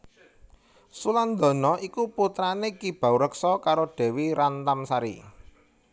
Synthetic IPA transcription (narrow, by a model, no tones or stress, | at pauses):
suland̪ɔ̤nɔʔikuput̪ɾanekib̥a̤wɾəksɔkaɾoɖ̥ɛ̤wiɾant̪amsaɾḭ